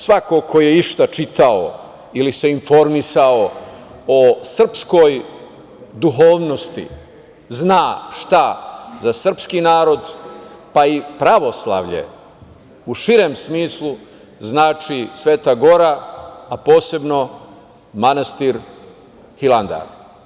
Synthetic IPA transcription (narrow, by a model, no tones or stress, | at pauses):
sʋako̞kʰoje̞iʃt̪at͡ʃit̪ao | ilise̞info̞ɾmisao̞ | osr̩psko̞j | d̪uɦo̞ːʋno̞st̪ḭ | znaːʃt̪azasr̩pskinaːɾo̞d̪paipɾaʋo̞slˠa̰ʋʎḛ | uʃiɾemsmiːslˠu | znaːt͡ʃisʋe̞ːt̪aɡo̞ɾaapo̞ːse̞bno̞ | manast̪iɾ | hiland̪a̰ɾ